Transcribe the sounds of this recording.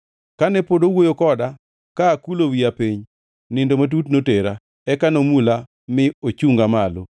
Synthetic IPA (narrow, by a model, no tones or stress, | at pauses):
kanɛpodowojokɔda | kaːkulowiapiɲ | nɪndomat̬utnoteɾa | ɛkanomula | mɪot͡ʃuŋɡamalo̰